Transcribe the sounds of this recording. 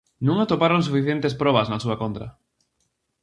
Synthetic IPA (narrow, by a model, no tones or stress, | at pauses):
nũŋat̪opaɾons̬ufiθjẽnt̪espɾɔβɐznasuakont̪ɾɐ̰